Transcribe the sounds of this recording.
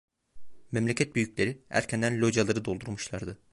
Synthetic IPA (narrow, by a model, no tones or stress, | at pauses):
mɛmlʲɛcʰɛt̪̚byjyclʲe̞ɾiæ̰ɾcʰænd̪ænlʲod͡ʒalˠaɾɯd̪o̞lˠd̪uɾmuʃlˠaɾd̪ɯ